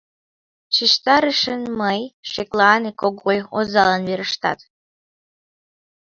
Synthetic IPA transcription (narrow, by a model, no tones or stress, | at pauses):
t͡ɕiʃt̪ɑɾəʃənməjʃeklɑnekoɣojozɑlɑnβeɾəʃt̪ɑ̰t̪